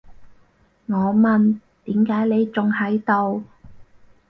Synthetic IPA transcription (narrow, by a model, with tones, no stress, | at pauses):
ŋɔː˨˧mɐ˨n | t̪iː˨˥mkaː˨˥jle˨˧jt͡sʊ˨ŋhɐ˨˥jt̪o˨˧w